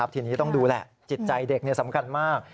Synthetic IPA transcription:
a˦˥p̚t̪ʰiː˧niː˦˥t̪ɔ˥˩duː˧lɛ̰˨˩ʔ | t͡ɕi˨˩t̪̚t͡ɕa˧jde˨˩k̚ni˥˩ɐsa˩˦mkʰa˧nmaː˥˩k̚

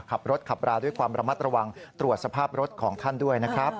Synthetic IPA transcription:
kʰa˨˩p̚ɾo˦˥t̪̚kʰa˨˩p̚ɾaː˧du˥˩əjkwaː˧mɾa˧ma˦˥t̪̚ɾa˧wa˧ŋt̪ɾu˨˩ət̪̚sa˧pʰaː˥˩p̚ɾo˦˥t̪̚kʰɔː˩˦ŋt̪ʰa˥˩ndu˥˩əjna˦˥kʰɾa˦˥p̚

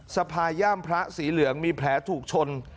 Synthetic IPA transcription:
sa˧pʰaː˧jaː˥˩mpʰɾa˦˥ʔsiː˩˦lɯ˩˦əŋmiː˧pʰlɛː˩˦˥t̪ʰuː˨˩k̚t͡ɕʰo˧n

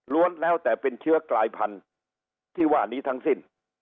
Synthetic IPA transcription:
lu˦˥ənlɛː˦˥wt̪ɛː˨˩pe˧nt͡ɕʰɯ˦˥ɐklaː˧jpʰa˧n | t̪ʰiː˥˩waː˥˩niː˦˥t̪ʰa˦˥ŋsi˥˩n

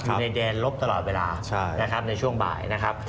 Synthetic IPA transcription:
na˧jdɛː˧nlo˦˥p̚t̪a˧lɔː˨˩t̪̚weː˧laː˧t͡ɕʰa˥˩na˦˥kʰa˦˥p̚na˧jt͡ɕʰu˥˩əŋba̰ː˨˩jna˦˥kʰa˦˥p̚

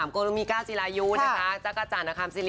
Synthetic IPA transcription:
a˩˦mkoː˧lo˧miː˧kaː˥˩wt͡ɕi˨˧laː˧juː˦˥na˦˧˩kʰa˦˥t͡ɕa˦˥ka˧t͡ɕaː˨˩na˧˩kʰaː˧nsi˧li˦

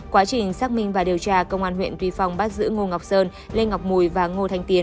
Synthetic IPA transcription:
kwaː˨˦t͡ɕï˨˩ŋ̟saː˦˥k̚mï˧ŋ̟vaː˨˩ɗi˨˩əwt͡ɕaː˧kə˧wŋ͡mʔaː˧nɦwḭ˧˨nt̪wi˨˧˦fa˨˩wŋ͡mɓaː˦˥t̚zɨ̰˧˥ŋo˧ŋa˨˩wk͡p̚səː˧n | le˧nŋa˨˩wk͡p̚mu˨˩jvaː˨˩ŋo˧t̪ʰa˧jŋ̟t̪i˨˦ən

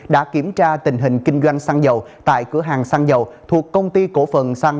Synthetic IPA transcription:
ɗa̰ː˧˥ki˧˩əmt͡ɕaː˧t̪ï˨˩ŋ̟ɦï˨˩ŋ̟kï˧ŋ̟zwa˧jŋ̟saː˧ŋzə˨˩wt̪a̰ː˧˨jkɨ˨˧˦əɦaː˨˩ŋsaː˧ŋzə˨˩wt̪ʰu˨˩əkːə˧wŋ͡mt̪i˧ko˧˥fə˨˩nsaː˧ŋ

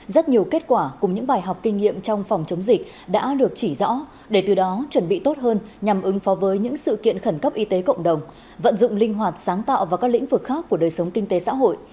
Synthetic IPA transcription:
zə˦˥t̚ɲi˨˩əwke˦˥t̚kwaː˧˩kʊ˨˩ŋ͡mɲɨ̰˧˥ŋɓaː˨˩jɦɔ˨˩wk͡p̚kï˧ŋ̟ŋḭ˧˨əmt͡ɕɔ˧wŋ͡mfɔ˨˩wŋ͡mt͡ɕə˨˦wŋ͡mzï˨˩k̚ | ɗa̰ː˧˥ɗɨ˨˩ək̚t͡ɕi˧˩zɔ̰˧˥ | ɗe˧˩t̪ɨ˨˩ɗɔ˨˦t͡ɕwə˧˩nɓḭ˧˨t̪o˦˥t̚ɦəː˧nɲa˨˩mʔɨ˨˦ŋfɔ˨˦vəː˨˦jɲɨ̰˧˥ŋsɨ̰˧˨kḭ˧˨ənxə˧˩nkə˦˥p̚ʔi˧t̪e˨˦kə̰˧˨wŋ͡mɗə˨˩wŋ͡m | və̰˧˨nzʊ̰˧˨ŋ͡mlï˧ŋ̟ɦwaː˨˩t̚saː˨˦ŋt̪a̰ː˧˨wvaː˨˩kaː˦˥lḭ˧˥ŋ̟vɨ˨˩k̚xaː˦˥kːu˧˩əɗəː˨˩jsə˨˦wŋ͡mkï˧ŋ̟t̪e˨˦sa̰ː˧˥ɦo̰˧˨j

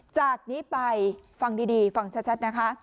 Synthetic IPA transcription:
t͡ɕaː˨˩k̚niː˦˥pa˧jfa˧ŋdiː˧diː˧fa˧ŋt͡ɕʰa˦˥t͡ɕʰa˦˥t̪̚na˦˥kʰa˦˥

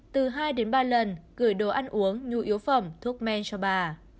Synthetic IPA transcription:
t̪ɨ˨˩ɦaː˧jɗe˨˦nɓaː˧lə˨˩nkɨ̰˧˩əjɗo˧˩ʔa˧jŋ̟ʔu˨˦əŋɲu˨˩ʔi˨˦əwfə̰˧˩wŋ͡mt̪ʰu˦˥ək̚mɛ˧nt͡ɕɔ˧ɓaː˨˩

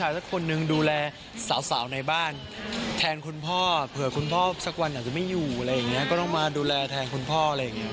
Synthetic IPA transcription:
t͡ɕʰaː˧jsa˦˥kʰːo˧nːɯ˧ŋduː˧lɛː˧ | saː˩˦wsaː˩˦wna˧jbaː˥˩n | t̪ʰɛː˧nkʰu˧npʰɔː˥˩pʰɯ˨˩əkʰu˧npʰɔː˥˩sa˦˥k̚wa˧nʔaː˨˩t͡ɕa˨˩ma˥˩juː˨˩ʔa˧ɾa˧jːa˨˩ŋːi˦˥ɐkɔː˥˩t̪ɔ˥˩ŋmaː˧duː˧lɛː˧t̪ʰɛː˧nkʰu˧npʰɔː˥˩a˧ɾa˧jːa˨˩ŋːi˦˥ɐ

